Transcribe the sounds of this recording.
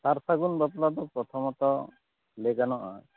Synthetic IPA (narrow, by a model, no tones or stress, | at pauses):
t̪aɾsaɡunbaplad̪ɔpɾɔt̪ʰɔmɔt̪ɔ | leɡanɔʔa̰